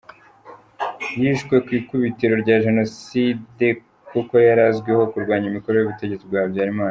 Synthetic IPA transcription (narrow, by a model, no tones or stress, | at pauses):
jiʃɡwe̞kwiːkuβiteɾo̞ɾɟaʒe̞no̞side | kuko̞jaɾazɡweho̞kuɾɡwaːɲimikoɾo̞joβite̞ɟe̞t͡sibɡaːbjaːɾimaːna